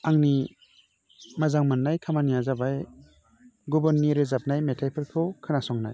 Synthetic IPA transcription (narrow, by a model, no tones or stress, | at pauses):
aŋni | mazaŋmanːajkʰamanijazabaj | ɡɔbɔɾniɾɯzap̚najmetʰajpʰɯɾkʰɔkʰɯnasɔŋna̰j